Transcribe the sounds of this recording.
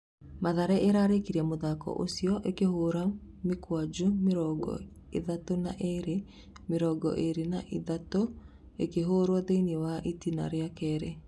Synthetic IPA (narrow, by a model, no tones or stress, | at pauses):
maðaɾɛeɾaːɾekiɾɛmoðakɔ̰ʔo̰siɔʔekehoːɾamekwad͡ʒumeɾɔɡɔ̰ | ḛðatona̰ʔeɾe | meɾɔɡɔ̰ʔeɾena̰ʔiðato | ekeɦoːɾwɔðeiniɛwaʔitina̰ɾeakɛɾɛ